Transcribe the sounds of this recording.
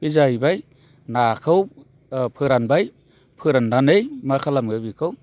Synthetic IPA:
b̥izajbaj | nakʰɯw | pʰɯɾanbaj | pʰɯɾandanejmakʰalamɡɯbikʰɯw

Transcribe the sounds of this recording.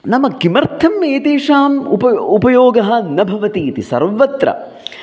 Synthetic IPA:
nɐmɐkimɐɾt̪ʰɐmːeːt̪eːʂaːmupɐupɐjoːɡɐɦɐ̆nɐbʱɐʋɐt̪iːt̪isɐ̰ɾʋɐt̪ɾɐ̰

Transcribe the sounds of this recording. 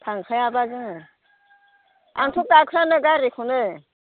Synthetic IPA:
tʰaŋkʰajabazɯŋ | a̰ŋtʰuk̚dakʰɾanɯɡaɾikʰunɯ

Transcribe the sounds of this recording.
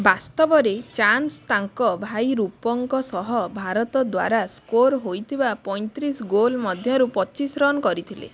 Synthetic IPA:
bast̪ɔbɔɾet͡ʃanst̪aŋkɔbʱajɾupɔŋkɔsɔɦɔbʱaɾɔt̪ɔd̪wa̰ɾaskoɾɦojt̪ʰibapɔj̃nt̪ɾisɡolmɔd̪ʱjɔɾupɔt͡ʃisɾɔnɔkɔɾit̪ʰilḛ

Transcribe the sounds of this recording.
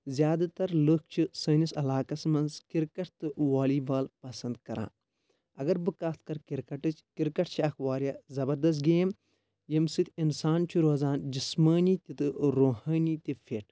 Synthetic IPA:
zjaːd̪at̪ɐɾlɨk̚ʰt͡ʃʰisɐːnisɐlaːkɐsmɐnzkiɾkɐʈt̪ɨʋaːliːbaːlpɐsɐnd̪kɐɾã̰ː | ɐɡɐɾbɨkaːt̪̚ʰkɐɾkiɾkɐʈɨt͡ʃʰkiɾkɐʈ̚t͡ʃʰiɐxʋaːɾjaːzɐbɐɾd̪ɐs̬t̪̚ɡeːm | jɐmsɨt̪ʰinsaːnt͡ʃʰuɾoːzaːnd͡ʒismɐːnit̪ʲit̪ɨɾoːɦɐːniːt̪ifʰeːʈʰ

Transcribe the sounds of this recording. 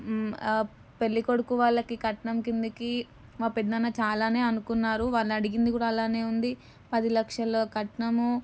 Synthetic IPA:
pe̞lːiko̞ɽukuʋaːɭːɐkikɐʈɐɳɐmkind̪uki | maːpiɖ̪d̪ɐnːɐt͡ʃaːlaːne̞ːɐnukunːaːɾuʋaːlːɐɐɽiɡind̪ik̬uːɽaːlaːne̞ːund̪i | pɐd̪ilɐkʂɐloːkɐʈɐnɐmu

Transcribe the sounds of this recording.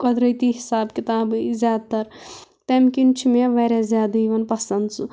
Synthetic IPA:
kɐd̪ɾəjt̪iɦisaːbkit̪aːbɨzjaːd̪̚t̪ɐɾ | t̪emkint͡ʃʰimeʋaɾazjaːd̪ɐiʋɐnpɐsɐnd̪su

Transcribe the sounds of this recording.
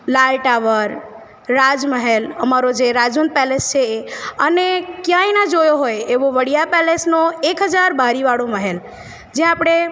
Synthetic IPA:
lalʈaʋəɾː | ad͡ʒməɦeləmaɾod͡ʒeɾad͡ʒʋənd̪̚pɛlest͡ʃʰeːənekjãinad͡ʒojoɦojeʋoʋəɽijapɛlesnoekɦəd͡ʒaɾbʱaɾiʋaɽoməɦel | d͡ʒẽapɽ̃e

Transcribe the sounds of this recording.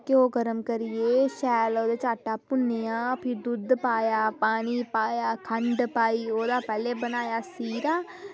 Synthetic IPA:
keoːɡəɾəmkəɾɪeːʃɛːloːd̪eːt͡ʃaːʈaːpʊnːeaːpʰɪɾd̪ʊd̪paːjaːpaːɽ̃iːpaːjaːkʰəɳɖpaːiːoːd̪aːpɛːleːbənaːjaːsiːɾaː

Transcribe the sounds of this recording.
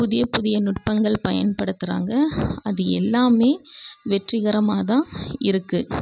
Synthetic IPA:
pʊðɪjɐpʊðɪjɐnʊʈ̚pɐŋɡɐɭpɐjɐ̰npɐɽɯt̪ːɯɾa̰ːŋɡɐɐðɯɛ̰lːaːmeːʋɛʈrɪɣɐɾɐmaːðãːɪɾɯkːɯ

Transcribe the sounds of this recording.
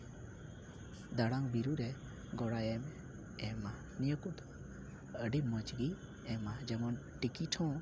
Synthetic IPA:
d̪aɽaŋbiɾuɾɛ | ɡɔɽajɛm | ɛma | nijəkut̪ | əɖimɔd͡ʒɡi | ɛmad͡ʒɛmɔn | ʈikiʈʰɔ̃

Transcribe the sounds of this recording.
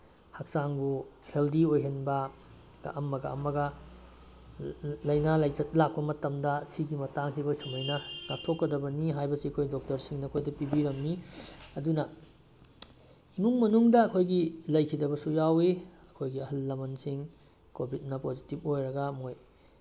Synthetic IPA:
hak̚saŋbuheldiojɦenbɐ | ɡ̥a̰ʔɐmːɐɡa̰ʔɐmːɐɡɐ | lɐjnalɐjzɐt̚lak̚pɐmɐtɐmdɐsiɡimɐtaŋkʰikojsɐmojnɐŋatʰokːɐdɐbɐniɦajbɐsiɐkʰojdok̚tɐɾsiŋnɐːkʰojdɐpibiɾɐmniɐdunɐ | imuŋmɐnuŋdɐːkʰojɡilɐjkʰidɐbɐsujawiɐkʰojɡiɐhɐlːɐmɐnsiŋ | kobʱit̚nɐpozitipojɾɐɡɐmoj

